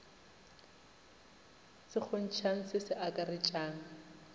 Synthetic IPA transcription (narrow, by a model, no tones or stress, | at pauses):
sɪk͡xʰon̩t͡ʃʰaŋ̩sɪsɪʔakʼarɪt͡ʃʼaːn̩